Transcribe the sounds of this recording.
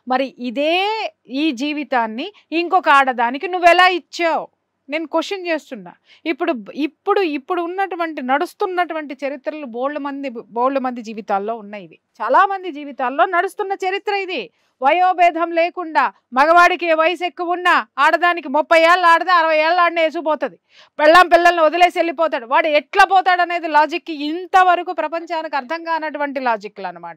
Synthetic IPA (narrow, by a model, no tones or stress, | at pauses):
mɐɾiʔid̪eː | iːd͡ʒiːʋit̪aːnːiː | ŋkɔkɐaːɽɐd̪aːnikinuʋːɛlaːit͡ʃːaːwu | ne̞ːnukoʂɐnt͡ʃe̞ːst̪unːa̰ː | ipːuɽuipːuɽuipːuɽuunːɐʈuʋɐɳʈinɐɽust̪unːɐʈuʋɐɳʈit͡ʃɐɾit̪ɾɐluboːɽlumɐnd̪iboːɽlumɐnd̪id͡ʒiːʋit̪aːlːo̞ːunːaːjid̪it͡ʃaːlaːmɐnd̪id͡ʒiːʋit̪aːllo̞ːnɐɽust̪unːɐt͡ʃɐɾit̪ɾɐid̪i | ʋɐjoːbɛːd̪ʱɐmleːkuɳɖaː | mɐɡɐʋaːɽikeʋɐjɐsekːuunːɐaːɽɐd̪aːnikimɔpːɐjeːlɐaːɽɐd̪aɐɾɐʋɐjɛːɭɐlaːɽnes̬upɔːt̪und̪i | pɛɭːampiɭːɐlɐniɔd̪ɐle̞ːselːipɔːt̪aːɽuʋaːɽuɛʈlap̬ɔːt̪aːɽɐne̞ːd̪ilaːd͡ʒikːiːnt̪ɐʋɐɾɐkupɾɐpɐɲt͡ʃaːnɐkɐɾt̪ʰɐŋɡaːnɐʈuʋɐɳʈ̬ilaːd͡ʒikːulɐnːɐma̰ːʈɐ